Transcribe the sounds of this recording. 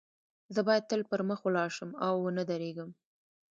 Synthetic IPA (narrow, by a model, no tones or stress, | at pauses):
zəbɑjad̪̚t̪əlpəɾməxwəlɑʃəmawːənəd̪aɾeɡəm